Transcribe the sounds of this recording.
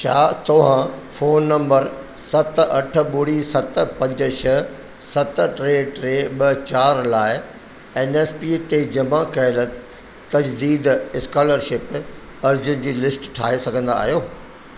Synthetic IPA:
t͡ɕʰaːt̪ɐʋ̤ãfoːnːɐ̃mbəɾ | sɐt̪ɐʈʰə̆ɓʊɽisɐt̪̆pɐ̃ɲd͡ʑəʃɐ | sɐt̪ʈɾeːʈɾeːɓɐt͡ɕaːɾlaːɪ | eːneːspiːt̪ed͡ʑɐmãkɐɪlə | t̪ɐd͡ʑd̪iːd̪ɪskaːləɾʃɪp | ɐɾd͡ʑʊn̆d͡ʑiːlɪsʈʈʰa̰ːɦesɐɡʱə̃nd̪a̰ːɦijoː

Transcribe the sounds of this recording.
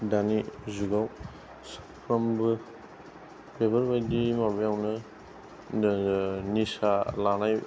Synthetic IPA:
danizuɡaw | sɯ̥pʰɾambɯ | bebɐɾbajdimabɯjawnɯ | nisalanaj

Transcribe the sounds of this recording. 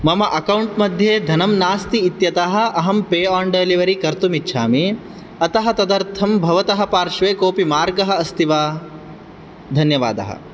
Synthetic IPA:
mɐmɐʔɐkɐwɳʈmɐd̪ʱjeːd̪ʱɐnɐmnaːst̪iːt̪jɐt̪aɦɐ̆ɐɦɐmpeːaːɳɖeliʋɐɾikɐɾt̪umitːʃʰaːmi | ɐt̪ɐɦɐt̪ɐd̪ɐɾt̪ʰɐmbʱɐʋɐt̪ɐɦɐpaːɾʃʋeːkoːpimaːɾɡɐɦɐ̆ɐst̪ʰiʋaː | d̪ʱɐnjɐʋa̰ːd̪ɐ̰ɦɐ̰

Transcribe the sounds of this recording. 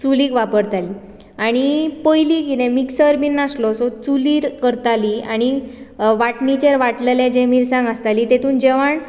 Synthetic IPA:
t͡suliːkʋapəɾt̪ali | aɽ̃ipojlikiɾẽmiksəɾminːaslɔsɔt͡suliːɾkəɾt̪aliaɽ̃i | ʋaʈnit͡ɕeɾʋaʈlelẽd͡ʑẽmiɾsãŋɡast̪aliːt̪et̪uːnd͡ʑeʋaɳ

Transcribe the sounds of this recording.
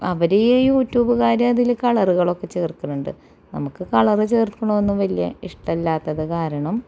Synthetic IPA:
ɐʋɐɾejjuːtːjuːbɨkaːɾjɐmɐðilkɐɭɐruɣɐɭo̞kːe̞t͡ɕeːrkːunuɳɖɨ̰ | nɐmukːɨkɐɭɐrɨt͡ɕe̞ːrtkːuɳoonːumʋɐlijɐ̰iʂʈɐlːaːt̪ːɐðɨkaːɾɐɳɐm

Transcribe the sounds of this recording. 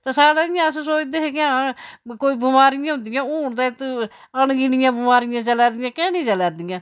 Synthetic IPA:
t̪asaːɽaːɪjãːssoːd͡ʒd̪eɦekɪãːkoːiːbʊmaːɾɪjãːɦʊ̃nd̪ɪjãːoːɳd̪aːt̪ənɡɪnɪjãːbʊmaːɾɪjãːt͡ʃəlɛːɾd̪ɪjãːkɛ̃ːnĩːd͡ʒəlɛːɾd̪ɪjãː

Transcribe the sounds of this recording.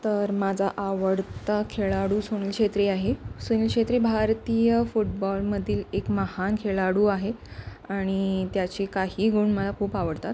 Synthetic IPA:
t̪əɾmad͡zʱaʔaʋəɽt̪akʰeɭaɽuːsoñilkʂet̪ɾiaɦesoñiːlkʂet̪ɾebʱaɾt̪ijəfuʈ̚bɔlməd̪ʱiːlekməhankʰeɭaɽuːaɦe | aɽ̃it̪jat͡ɕekaɦiːɡuɳməlakʰuːpaʋəɽt̪at̪

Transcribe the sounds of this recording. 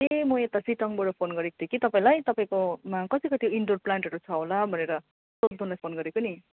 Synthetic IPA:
emʌet̪asiʈʌŋboɽpʰonɡʌɾekod̪ʰekit̪ʌpaĩlajt̪ʌpaĩkomakʌt̪ikʌt̪ioiɳɖor̚plaɳʈɦʌɾut͡sʰʌɦolabʱʌneɾʌ | sod̪ʱunlajpʰonɡʌɾekoni

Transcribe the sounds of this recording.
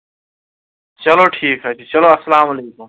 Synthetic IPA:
t͡ʃɐloʈʰiːkɦatit͡ɕɐloɐsɐlaːmɐleːkum

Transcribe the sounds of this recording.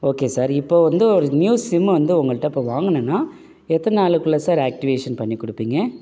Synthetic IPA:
oːkeːsaːɾɪpːoːʋɐnd̪ɯɔɾɯnjuːsɪmːʋɐnd̪ɯʊŋɡɐɭʈːɐ̃ɪpːoːʋaːŋɡɐnɯnːaː | ɛt̪ːɐnnaːɭɯkːɯɭːɐsaːɾaːk̚ʈɪʋeːʂɐnpɐɳːikːɔɽɯpːiːŋɡɐ

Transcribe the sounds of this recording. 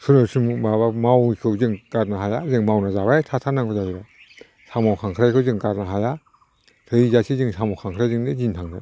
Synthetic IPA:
sʰuɾɯsɯmmaβamawikʰɯwzɯŋɡ̥aɾnaɦajazɯŋmawnazaβajtʰatʰanaŋbɔzaiɾa | sʰamawkʰaŋkʰɾajkʰɯwzɯŋɡaɾnaɦaja | tʰɯizasʰizɯŋsamawkʰaŋkʰɾajzɯŋdezintʰaŋda̰j

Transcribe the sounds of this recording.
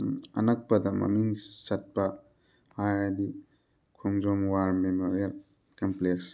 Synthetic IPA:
nɐ̰nɐk̚pɐdɐmɐ̰miŋsɐt̚pɐ | hajɾdi | kʰumd͡ʒomwaɾmemoɾiɐl | kɐmpleks

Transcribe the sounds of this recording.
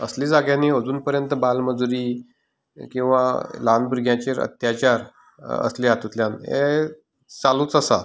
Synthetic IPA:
əsliːd͡zaɡjãnːiːəd͡zuːnpəɾjənt̪əbalməd͡zuɾiː | kĩw̃ʋalanbɾɡʱjãt͡ɕeɾə̰t̪jat͡ɕaɾ | ə̰sliat̪ut̪ljanɦḛ | t͡salũːt͡səsa

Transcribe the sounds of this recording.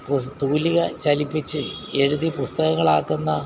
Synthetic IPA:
put̪uːliɣɐt͡ɕɐlipːit͡ɕːɨe̞ɻuðipust̪ɐɣɐŋːɐɭaːkːunːɐ

